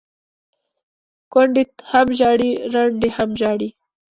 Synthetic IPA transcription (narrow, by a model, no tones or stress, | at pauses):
koɳɖit̪hamʒɑɽiɾaɳɖihamʒɑːɽi